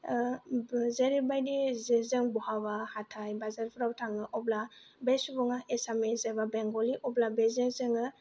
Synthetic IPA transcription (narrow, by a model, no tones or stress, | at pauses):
zeɾibajdizezɯŋbɔhabahatʰajbazaɾpʰuɾawtʰaŋɯʔɔblabesubɔŋaesamizababeŋɡɔliʔɔblabezezɯŋɯ